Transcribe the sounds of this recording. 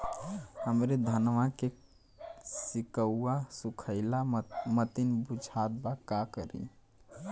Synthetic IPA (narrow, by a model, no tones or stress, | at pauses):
həmɾed̪ʱənʋãke | sikəuːasukʰəɪlamət̪inbud͡ʒʱat̪̚bakakəɾḭ